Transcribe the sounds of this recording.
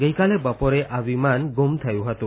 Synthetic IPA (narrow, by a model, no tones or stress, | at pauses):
ɡejkalebɔpɔɾeʔabimanɡumt̪ʰajuɦat̪u